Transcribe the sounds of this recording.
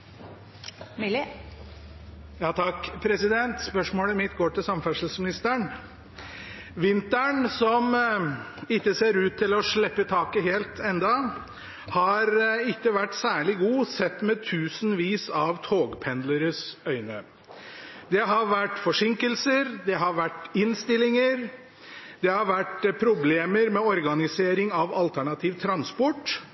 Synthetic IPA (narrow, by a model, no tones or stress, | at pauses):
m | jɑːt̪ʰɑkːpʰɾɛsɪd̪ɛnt̪spœʂmoːləmɪt̪ːɡoːʈɪlsɑmfæʂəlsmɪnɪst̪əɳ | ʋɪnt̪æɳsɔm | ɪkːəseːɾʉːt̪ʰːɪlɔʂɭɛpːət̪ʰɑːkəɦeːlt̪ʰɛnd̪ɑ | hɑɾɪkːəʋæʈːsæːɭɪɡuːsɛt̪ːmɛt̪ʰʉːsn̩ʋiːsɑʋt̪ʰoːɡpʰɛnd̪ləɾəsœʏnə | d̪ɛɦɑɾʋæʈːfɔʂɪŋkəlsəɾd̪ɛɦɑɾʋæʈːɪnst̪ɪlːɪŋəɾ | d̪ɛhɑɾʋæʈpʰɾʊbleːməɾmɛɔɾɡɑnɪseːɾɪŋɑʋɑlt̪ʰæɳɑt̪ʰiːʋt̪ʰɾɑnspɔʈː